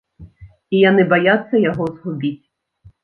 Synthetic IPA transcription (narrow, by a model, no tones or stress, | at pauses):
ijanɛbɐjasʲːɐjɐɦɔzɦʊbʲitʲ